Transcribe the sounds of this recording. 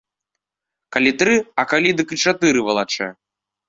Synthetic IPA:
kalʲit̪ɾɨɐkalʲid̪ɨkɨt͡ʂat̪ɨɾɨvɐlˠat͡ʂɛ̰

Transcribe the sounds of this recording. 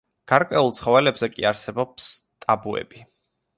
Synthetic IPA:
ɡ̥aɾkʼwɛulˠt̪sʰχɔvɛlɛbzɛkʼḭaɾsɛbɔpst̪ʼabuɛ̰bi

